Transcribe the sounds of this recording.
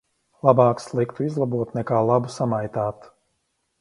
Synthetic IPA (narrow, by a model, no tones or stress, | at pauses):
lˠabaːkslˠikt̪uizlˠabuɔt̪nɛkaːlˠabusamajt̪aːt̪